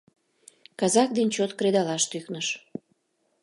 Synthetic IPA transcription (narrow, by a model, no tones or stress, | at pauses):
kɑzɑk̚d̪ent͡ɕot̪kɾed̪ɑlɑʃt̪yknəʃ